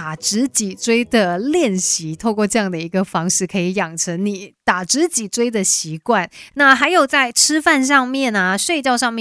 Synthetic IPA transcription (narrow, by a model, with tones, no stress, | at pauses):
a˨˩ʈ͡ʂɻ̩˧˥t͡ɕi˨˩t͡swe˥ɪd̪ə˨ljɛ˥˩nɕi˧˥t̪ʰo˥˧ʊkwɔ˥˧ʈ͡ʂɤ˥˧jɑ˥˩ŋd̪ə˩i˧˥ɡə˧fɑ˥ŋʂɻ̩˥˩kʰɤ˧˥i˧˥jɑ˨˩ŋʈ͡ʂʰə˧˥ŋni˨˩˦t̪a˨˩ʈ͡ʂɻ̩˧˥t͡ɕi˨˩t͡swe˥ɪd̪ə˨ɕi˧˥kwa˥˩nna˥˩xa˧˥ɪjo˨˩ʊt͡sa˥˩ɪʈ͡ʂʰɻ̩˥fa˥˧nʂ̬ɑ˥˧ŋmjɛ˥˩nɐ˩ʂwe˥˧ɪt͡ɕjɑ˥˧ʊʂɑ˥˧ŋmjɛ˥˩